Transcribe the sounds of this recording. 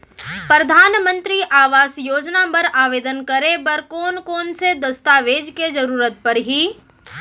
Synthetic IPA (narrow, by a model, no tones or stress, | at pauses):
pɾəd̪ʱaːnmə̃nt̪ɾiʔaːʋaːsjoːd͡ʒnapɐɾaːʋeːd̪ənkɐɾebɐɾkɔːnkɔːnsed̪ɐst̪aːʋeːd͡ʒked͡ʒɐɾuːɾət̪̚pɐɾɦiː